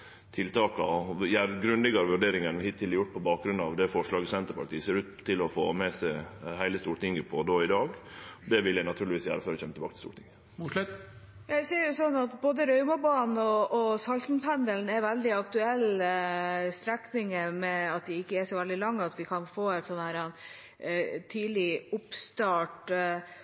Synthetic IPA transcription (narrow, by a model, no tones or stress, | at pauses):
t̪ʰɪlt̪ɑːkɑjæɾɡɾʉnlɪɡɑɾʋʉɖeːɾɪŋənhɪt̪ʰːɪlɛɾjʊʈːpʰɔbɑːk̚ɡɾʉnɑʋd̪ɛfɔʂɭɑːɡəsɛnt̪əɾpʰɑʈ̪iːəseːɾʉːt̪ʰːɪlɔfo̰ːmɛsæɪhæɪləst̪uːɾəʈ̪ɪŋːəpʰɔd̪oːɪd̪ɑːɡd̪ɛʋɪljæɪnɑt̪ʰʉːɭlʋiːsjæ̰ːɾəføːɾɛçɛmːət̪ʰɛbɑːkət̪ɪ̥st̪ṵːʈ̪ɪŋə | jɑseːɾjʊsɔnːɑt̪boːd̪əɾœʏmɑbɑːnn̩ɔːsɑlt̪npʰænd̪əln̩æɾʋɛld̪ɪɑkt̪ʉɛlː | st̪ɾɛknɪŋəmɛɑt̪̚d̪ɪɪkːəæʂɔʋɛld̪ɪlɑŋːəɑt̪ʋɪkʰɑnfoːɛt̪sɔnːhæːɾɑn | t̪ʰiːlɪʊpst̪ɑːʈ